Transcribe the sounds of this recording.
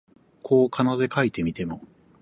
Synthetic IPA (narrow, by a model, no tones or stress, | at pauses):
kʰo̞ːkʰanod̪e̞kait̪e̞mʲit̪e̞mo̞